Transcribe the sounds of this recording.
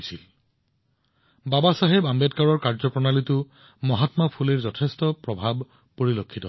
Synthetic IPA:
sil | babasaɦɛbambɛtkaɹɔɹkaɹzɔpɹɔnalitʊ | mɔɦatmapʰuleɹzɔtʰɛstɔpɹɔbʱab | poɹilokʰːitɔ

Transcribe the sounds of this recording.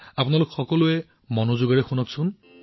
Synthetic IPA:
apʊnalʊkxɔkɔluɛ | mɔnozʊɡaɹɛxunɔksʊn

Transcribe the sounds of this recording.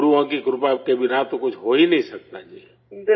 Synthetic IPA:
ɾuãkikɾʊpakebɪnat̪okʊt͡ʃʰɦoːinɐɦĩsək̚t̪ad͡ʒiː

